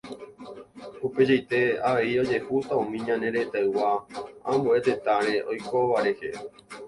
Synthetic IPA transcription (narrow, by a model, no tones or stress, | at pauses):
uped͡ʒajt̪e̞aʋe̞io̞d͡ʒe̞hut̪aũmĩɲãnẽ̞ɾet̪aɨwaãmbue̞t̪e̞t̪aɾe̞ʔo̞jkoʋaɾe̞hḛ